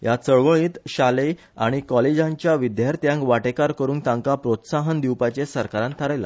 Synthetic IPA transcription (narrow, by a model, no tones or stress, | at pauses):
jat͡səɭʋəɭiːt̪ɕale | a̰ɽ̃ikɔled͡ʑãɲt͡ɕjaʋid̪jaɾt̪jãŋkʋaʈekaɾkəɾuːnt̪ãŋkapɾot̪saɦənd̪iwpat͡ɕesəɾkaɾãnt̪ʰaɾajla̰